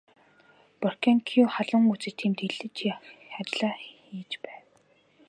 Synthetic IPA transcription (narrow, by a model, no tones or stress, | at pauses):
pɔr̥kʰaŋkʰiuχaɮə̆ŋut͡sɘ̆t̪ʰiːmt̪iɮɘ̆t͡ɕxat͡ɕɮaːxiːt͡ɕpæːw